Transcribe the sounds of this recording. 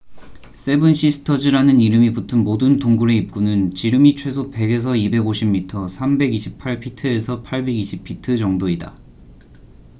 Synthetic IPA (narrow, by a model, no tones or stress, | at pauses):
s͈e̞bɯnɕ͈ʰisʰɯ̥tʰʌd͡ʑiɾanɯniɾɯmiputʰɯnmodɯntoŋɡuɾe̞ip̚k͈unɯnt͡ɕiɾɯmit͡ɕʰwe̞s̬ʰope̞ɡe̞s̬ʰʌibe̞ɡoɕʰimːitʰʌsʰambe̞ɡiɕʰipʰaɭpʰitʰɯe̞sʰʌpʰaɭbe̞ɡiɕʰipʰitʰɯd͡ʑʌŋdoida̰